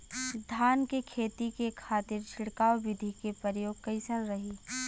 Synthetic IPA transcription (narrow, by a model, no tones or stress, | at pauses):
d̪ʱaːnkekʰeːt̪ikekʰaːt̪ɪɾt͡ʃʰɪɽkaːwʋɪd̪ʱikepəɾjoːɡ̚kɐɪsənɾɐɦi